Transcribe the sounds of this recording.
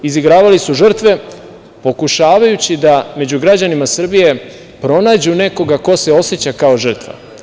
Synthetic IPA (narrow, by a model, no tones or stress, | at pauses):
iziɡɾaːʋalisuʒr̩t̪ʋe̞ | po̞kuʃaːʋajut͡ɕid̪ame̞d͡ʑuɡɾad͡ʑanimasr̩bije̞ | pɾo̞naːd͡ʑune̞ko̞ɡako̞se̞o̞set͡ɕakao̞ʒr̩t̪ʋa̰